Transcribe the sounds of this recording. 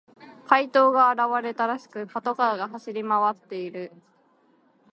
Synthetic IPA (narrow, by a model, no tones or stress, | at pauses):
kʰait̪o̞ːɡaːɾaβaɾe̞t̪aɾaɕi̥kɯ̟pat̪o̞kaːɡaɦaɕiɾʲimaβat̪ːe̞iɾɯ̟